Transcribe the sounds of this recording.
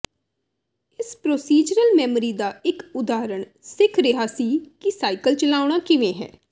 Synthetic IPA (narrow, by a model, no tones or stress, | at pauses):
ɪspɾoːsiːd͡ʒɾəlmɛːmɾiːd̪aːɪkʊd̪aːɾəɳ | sɪkʰɾɪɦaːsiːkisaːɪkəlt͡ʃəlaːʊɽ̃aːkɪʋẽːɦɛ̰ː